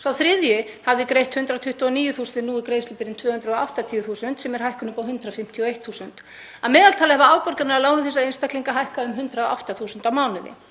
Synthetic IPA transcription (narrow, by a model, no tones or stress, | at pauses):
sawθɾɪðjʏhavðɪkɾejht̪hʏnt̪ɾat̪ʰʏht̪uɔniːjʏθuːsʏnt̪ɪnuːikɾeːjslʏpɪɾɪnt̪vœːhʏnt̪ɾaðoa̰wht̪at̪ʰiːʏθuːsʏnt̪sɛmɛɾ̥ɦajhkʏnʏpawhʏnt̪ɾaðfɪm̥t̪ʰiɔejht̪θuːsʏnt̪ | aðmɛːðalt̪ʰaːlɪhɛvaaːwpœɾkaɾnaɾalaːwnʏθɛsːaejnst̪ahk̪liŋkaɦajhkaʏmɦʏnt̪ɾaðɔʔa̰wht̪aθuːsʏnt̪awmaːwnɪðɪ̰